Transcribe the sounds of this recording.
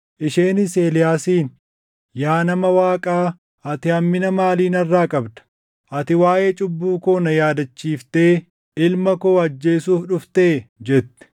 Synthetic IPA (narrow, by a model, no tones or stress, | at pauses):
ʔɪʃeːnɪse̞ːlɪjaːsiːn | jaːnɐmɐwaːkʼaː | ɐt̪ɪɐmːɪnɐmaːliːnɐrːaːkʼɐbd̪ɐ̥ | ʔɐt̪ɪwaːʔe̞ːt͡ʃʼʊbːuːkoːnɐjaːd̪ɐt͡ʃːiːft̪e̞ː | ɪlmɐko̞ːɐd͡ʒːe̞ːsuːfᶑʊft̪eːd͡ʒɛt̪ːɛ̥